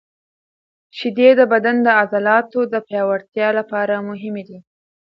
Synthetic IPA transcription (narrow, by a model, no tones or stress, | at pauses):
ʃid̪ed̪əbad̪and̪əazalɑt̪od̪əpjɑwaɾt̪jɑlapɑɾamʊɦɪmed̪i